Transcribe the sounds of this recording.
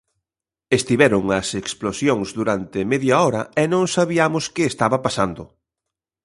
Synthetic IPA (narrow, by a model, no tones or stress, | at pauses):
est̪iβɛɾʊŋɐseksplosjoŋzd̪uɾant̪ɪmeðjɐɔɾɐ̰ɛnõŋsaβiamʊskɪːst̪aβɐpasand̪ʊ̰